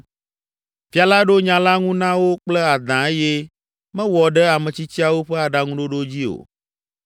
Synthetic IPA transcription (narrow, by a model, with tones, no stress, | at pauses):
fi˦a˨la˦ɖo˦ɲã˨la˦ŋũ˦nã˦wo˦k͡plɛ˦a˨d̪ã˨e˦jɛ˦ | mɛ̃˦wɔ˨ɖɛ˦a˨mɛ̃˨t͡ɕi˦t͡ɕi˦a˨wo˦ɸɛ˦a˨ɖa˨ŋũ˦ɖo˦ɖo˦d͡ʑi˦o̰˨